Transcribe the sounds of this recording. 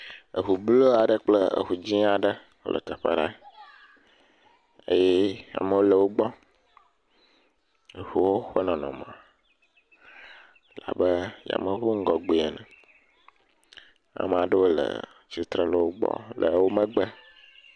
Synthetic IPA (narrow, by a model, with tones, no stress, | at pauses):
ə˨ɦu˨blo˦a˨ɖə˦k͡plə˦ə̰˨ɦu˨d͡ʑi˦a˨ɖə˦ | wo̰˦lʔə̰˨t̪ə˨ɸə̰˦ɖa˨ | ḛ˦jɛ˦a̰˨mə˨wo˦lə˨wo˦ɡ͡bɔ˦˨ | ɸu˨wo˦ɸə˦nɔ̃˨nɔ̃˨mã˨ | la̰˨bə˦ja̰˨mə˨xu˦ŋ̩˦ɡɔ˨ɡ͡be˨e˨nə̃˨ | a̰˨m˨a˨ɖə˦wo˦lə̰˨ | t͡ɕi˨t̪ɾə˦˨lə˨wo˦ɡ͡bɔ̰˦lʔə˨wo˦mə̃˦ɡ͡bə˦